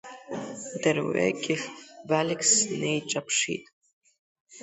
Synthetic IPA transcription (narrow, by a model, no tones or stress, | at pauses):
darwḛkʲʼɪxbalɪkʰsnejʈ͡ʂʼapʰʂḭtʼ